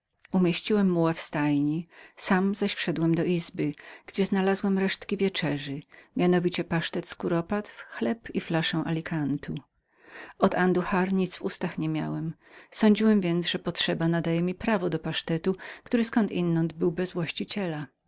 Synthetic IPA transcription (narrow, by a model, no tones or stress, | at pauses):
umʲjeɕt͡ɕiwɛmːuwafst̪ajɲisamzaɕfʂɛd̪wɛmd̪ɔʔizbɘɡ̥d͡ʑɛznalazwɛmɾɛʂt̪kʲivʲjɛt͡ʂɛʐɘmʲjanɔvʲit͡ɕɛpaʂt̪ɛt̪skuɾɔpat̪fxlɛpiflaʂɛ̃w̃ʔalʲikʰant̪ʰu | ɔd̪and̪uxaɾɲit̪svust̪axɲɛmʲja̰wɛm | sɔɲd͡ʑiwɛmvʲjɛnt̪sʐɛpɔtʂɛbanad̪ajɛmʲipɾavɔd̪ɔpaʂt̪ɛt̪ukt̪uɾɘskɔnt̪ḭnːɔnd̪bɘwbɛzvwaɕt͡ɕit͡ɕɛla